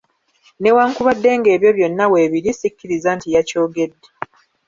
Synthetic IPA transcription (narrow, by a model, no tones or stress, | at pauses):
ne̞waːŋkuβadːe̞ːŋɡe̞ːβjo̞βjo̞nːawe̞ːβiɾisikːiɾizaːntijaco̞ːɡe̞dːe